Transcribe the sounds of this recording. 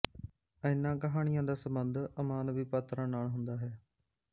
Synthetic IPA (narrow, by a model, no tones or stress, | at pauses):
ə̃ɪ̃nãːkəɦaːɽ̃ɪjãːd̪aːsəmbənd̪əmaːnbiːpaːt̪ɾãːnaːɳɦʊ̃nd̪aːɦɛː